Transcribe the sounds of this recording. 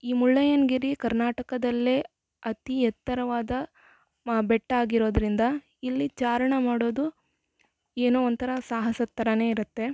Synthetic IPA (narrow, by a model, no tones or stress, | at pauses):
iːmuɭːɐjɐnɡiɾikɐɾnaːʈɐkɐd̪ɐlːeː | ɐt̪ijɛt̪ːɐɾɐʋaːd̪ɐ | bɛʈːaːɡiɾo̞ːd̪ɐɾind̪ɐ | ilːit͡ʃaːɾɐɳɐmaːɽoːd̪u | eːnuont̪ʰɐɾɐsaːɦɐsɐt̪ːɐɾɐne̞ːiɾut̪ːe̞